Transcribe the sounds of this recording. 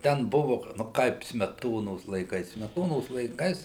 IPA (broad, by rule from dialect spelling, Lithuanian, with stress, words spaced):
ˈtʲɛn ˈbʊʋʊ nʊ ˈkɐɪp sʲmʲɛˈtoːnoːs lˠɐɪˈkɐɪs sʲmʲɛˈtoːnoːs lˠɐɪˈkɐɪs